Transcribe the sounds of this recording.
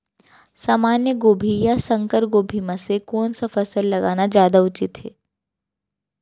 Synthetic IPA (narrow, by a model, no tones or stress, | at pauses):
saːmaːnjəɡoːbʱijasɐ̃ŋkəɾɡoːbʱimãsekɔːnsafɐsəlːɐɡaːnazjaːd̪aʊt͡ʃɪt̪ɦɛ̰ː